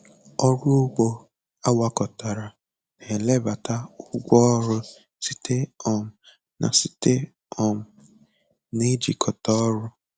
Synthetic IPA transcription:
ɔ˦ɾu˦ɡ͡bo˦ | a˦wa˦kɔ˨ta˨ɾa˨ | ne˨lɛ˦˨ba˨ta˦u˦ɡʷɔ˦ɔ˦ɾʊ˦ | si˨te˦ɔ˦˨m̩˨ | nʔã̰˨si̥˨te˦ | ɔ˨m̩˨ | ni˦d͡ʒḭ˨kʰɔ˨tɔ˦ɾʊ˦

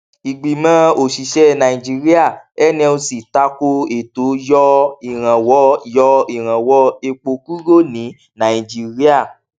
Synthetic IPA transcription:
i˨ɡ͡bi˨mãː˦o˨ʃi˨ʃɛ˦˨nã˨i˨d͡ʒi˧˦ɾi˦a˦˨ɛ˦nĩ˦˧˦o˧si˨ta˧ko˧e˨to˨˦jɔ˧i˨ɾ̃ã˨wɔ˨˦jɔ˧i˦˨ɾ̃ã˨wɔ˧˦e˧k͡po˧ku˦ɾo˦˨nĩ˨˦ | nã˨i˨d͡ʒi˦ɾi˦a˦˨

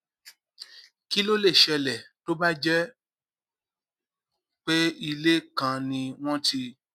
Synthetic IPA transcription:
ki˦lo˦le˦˨ʃɛ˧lɛ˨to˦ba˦d͡ʒɛ˦ | k͡pe˦i˧le˦kã˧nĩ˧w̃ɔ̃˦ti˧

